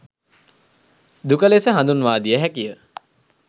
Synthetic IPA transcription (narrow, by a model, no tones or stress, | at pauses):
d̪ukəlesəɦand̪unʋaːd̪ijəɦækijə